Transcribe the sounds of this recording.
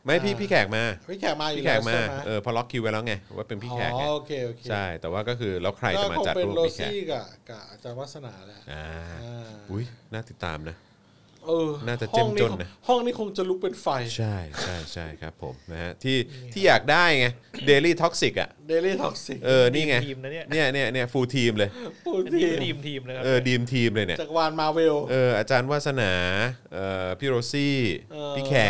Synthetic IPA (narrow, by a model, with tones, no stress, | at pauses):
ma˥˩jpʰiː˥˩pʰiː˥˩kʰɛː˨˩k̚maː˧˩pʰiː˥˩kʰɛː˨˩k̚maː˧juiː˥˨˥kʰɛː˨˩k̚maː˧m˦ʔɤː˧˩pʰɔ˦˧lɔ˦˥kʰːi˧wa˦jlɛː˦˥wŋa˧˩˦waː˥˩pe˧npʰiː˥kʰɛ̰ː˨˩ka̰˦oː˧kʰeː˧ʔoː˧˩kʰeːt͡ɕʰa˥˩jt̪ɛː˨˩waː˥˩kɔː˥˩kʰɯː˧lɛː˦˥wkʰɾa˧jɔ˥a˥˩mao˧t͡ɕa̰˨˩tpe˧ɾɾoː˧iskɛ̰ː˨˥˩ka˨˩ka˨˩a˧˩t͡ɕaː˧nwaː˦˥sa˧naː˩˦lɛ˦ʔaː˧ | ʔu˦˥jnaː˥˩t̪i˨˩t̪ːa̰ː˧mna˦˥ | ʔɤː˧˩naː˥˩t͡ɕa˨˩ht͡ɕe˥˩mŋni˦t͡ɕo˧˩nnːa˦˥hɔ˥˩ŋniː˦˥˩kʰo˧ŋt͡ɕa˨lu˦˥k̚pe˧nfa˧jt͡ɕʰa˥˩jt͡ɕʰa˥˩jt͡ɕʰa˥˩jkʰɾa̰˦˥pʰːo̰˩˦mna˦˥ha˦˥t̪ʰiː˥˩t̪ʰiː˥˩jaː˨˩k̚daː˥˩jŋa˦˥deː˧liː˥˩t̪ʰɔ˦˥k̚si˨˩k̚a̰˨˩ʔde˧liː˥˩t̪ʰɔ˦˥k̚si˨˩k̚ʔɤː˧niː˥˩ŋa˦˥jni˥˩ɐni˥˩ɐni˥˩ɐfuː˧t̪ʰiː˧mlɤː˧jfuː˧t̪ʰiː˧iː˧m˧ʔɤː˧diː˧mt̪ʰiː˧mlɤː˧jni˦˥˩aː˨˩k̚waː˧nmaː˧we˧wʔɤː˧ʔaː˧t͡ɕaː˧nwaː˥˩t̪̚sa˧naː˩˦ʔɤː˨˩pʰiː˥ɾoː˧siː˥˩˧piː˦˥˩kʰɛː˦˩